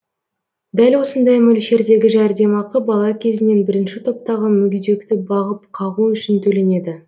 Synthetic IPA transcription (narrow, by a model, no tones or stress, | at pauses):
d̪ælwo̞sənd̪ɑjmɵlʃe̞ɾd̪e̞ɡʲɪʒæɾd̪e̞mɑqəbɑlˠɑkʲʰe̞zɪne̞nbɪɾɪnʃɪt̪ʰo̞p̚t̪ɑʁəmʏɡʲid̪e̞kt̪ɪbɑʁəp̚qʰɑʁuʏʃɪnt̪ʰɵle̞ne̞d̪ɪ